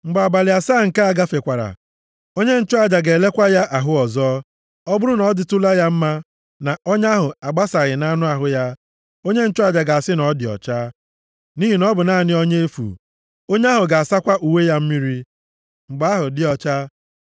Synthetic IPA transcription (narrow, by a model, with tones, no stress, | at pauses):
ŋ͡m̩˨ɡ͡ba˨ba˨lɪ˨a˨saː˦˨ŋ̩˨ka˦a˨ɡa˦fe˨kʷa˨ɾa̰˨ | o˦ɲe˦n̩˦t͡ʃʊ˦a˨d͡ʒa˨ɡe˨le˦kʷa˦ja˦ʔa˨ɦʊ˦ɔ˨zɔ˦ | ɔ˦bʊ˦ɾʊ˦nɔ˨˦dɪ˦tʊ˦la˦ja˦m̩˦ma˦ | na˨o˦ɲ˦a˦ɦʊ˨a˨ɡ͡ba˦sa˨ɣɪ˨na˦nʊ˦a˨ɦʊ˨ja˦ | o˦ɲe˦n̩˦t͡ʃʊ˦a˦˨d͡ʒa˨ɡa˨a˨sɪ˦nɔ˨˦dɪ˨ɔ̰˨t͡ʃa˦ | ni˦ɦi˨nɔ˦bʊ˨naː˦˨nɪ˦o˦ɲe˦e˦fṵ˨ | o˦ɲe˦a˦ɦʊ˨ɡa˨a˨sa˦kʷa˦ʔu˨we˦ja˦m̩˦mi˦ɾi˦ | ŋ͡m̩˨ɡ͡ba˦ɦʊ˨dɪ˦ɔ˨t͡ʃa˦